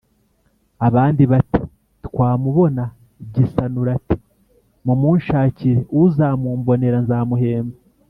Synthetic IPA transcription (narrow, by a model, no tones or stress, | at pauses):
aβaːndiβati̥ | tkwaːmuβo̞na | ɟisanuɾati̥ | mumuːnʃaːciɾeʔuzaːmuːmbo̞ne̞ɾanzaːmuɦe̞ːmba